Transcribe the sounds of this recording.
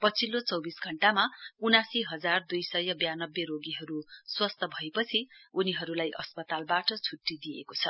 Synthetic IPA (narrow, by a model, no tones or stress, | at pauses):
pʌt͡sʰilːot͡sʌwbisɡʱʌɳʈamaunasiɦʌd͡zard̪ujsʌjʌbjanʌbjeɾoɡiɦʌɾuswʌst̪ʰʌbʱʌepʌt͡sʰiuniɦʌɾulajʔʌ̰spʌt̪albaʈʌt͡sʰuʈːid̪iḛkot͡sʰʌ̰